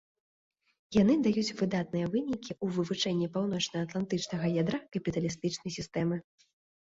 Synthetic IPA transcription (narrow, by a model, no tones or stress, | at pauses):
jan̪ɨd̪ajut͡sʲvɨd̪at̪̚nɨjɛvɨnʲikʲiʔuvɨvut͡ʂɛnʲːipawnɔt͡ʂnɐɐt̪lˠant̪ɨt͡ʂnɐɣɐjad̪ɾakɐpʲit̪ɐlʲist̪ɨt͡ʂnɐjsʲist̪ɛmɨ